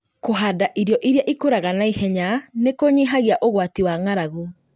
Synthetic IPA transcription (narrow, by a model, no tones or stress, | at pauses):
koɦadaʔiɾjɔʔiɾjaʔikoɾaɣanaihɛɲanekoɲiɦaɣiaʔoɣwatiwaŋaɾaɣo